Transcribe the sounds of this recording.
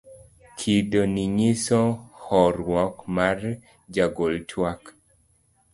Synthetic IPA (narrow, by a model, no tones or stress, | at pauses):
kʰidoniɲɪsɔhɔɾwɔkmar | d͡ʒaɡoltʰwak